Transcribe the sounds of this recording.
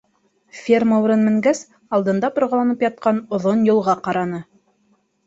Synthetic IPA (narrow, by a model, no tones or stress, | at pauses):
fʲerməuɾɤnmɘ̆ŋɡæs | ɑlˠd̪ɤ̆nd̪ɑpŏɾʁɑlˠɑnɤpjɑt̪̚qɑnŏðonjŏlˠʁɑqɑɾɑnɤ